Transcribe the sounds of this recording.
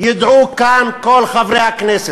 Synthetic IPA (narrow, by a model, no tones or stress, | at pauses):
jɪd̪ʕuːkaːmkoːlxɐbɾeakneːs